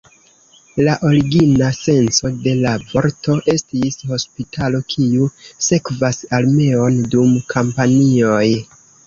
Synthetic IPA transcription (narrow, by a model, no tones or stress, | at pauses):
laʔo̞ɾiɡinase̞nso̞de̞lavo̞ɾto̞ʔe̞stisho̞spitʰalo̞kʰiuse̞kvasalme̞o̞ndumkʰampanio̞j